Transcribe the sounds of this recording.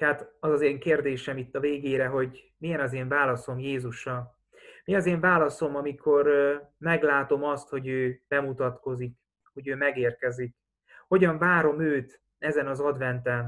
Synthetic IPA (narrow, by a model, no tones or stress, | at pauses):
hat̪ɒzɒzeːŋkeːrd̪eːʃɛmit̪ːɒveːɡeːɾɛɦo̞ɟ | mijɛnɒzeːɱvaːlɒso̞mjeːzuʃɒ | miɒzeːɱvaːlɒso̞mɒmikʰo̞rmɛɡlaːt̪o̞mɒst̪ho̞ɟøːb̥ɛmut̪ɒt̪ko̞zik | ho̞ɟøːmɛɡeːrkɛzik | ho̞ɟɒɱvaːɾo̞møːt̪ | ɛzɛnɒzɒd̪vɛnt̪ɛn